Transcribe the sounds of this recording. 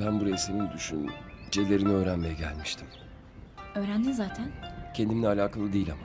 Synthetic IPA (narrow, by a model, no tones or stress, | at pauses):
bænbuɾesemind̪uʃṵd͡ʒe̞lʲe̞ɾiniø̞ːɾænmejɛɟæ̰lʲmiʃt̪ʰim | ø̞ːɾænd̪inzaːt̪ʰæncʰe̞nd̪iminɛalʲaːkʰalˠɯd̪eilʲama